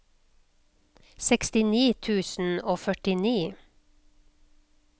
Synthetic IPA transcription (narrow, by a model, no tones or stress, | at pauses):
sɛkst̪ɪniːt̪ʰʉːsn̩oːfœʈɪniː